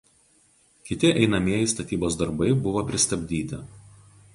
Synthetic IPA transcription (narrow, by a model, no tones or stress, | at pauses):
kʲɪt̪ʲɪʔɛɪnɐmʲiɛjɪst̪ɐt̪ʲiːboːsd̪ɐɾbɐɪbʊʋopʲɾʲɪst̪ɐbʲd̪ʲiːt̪ʲɪ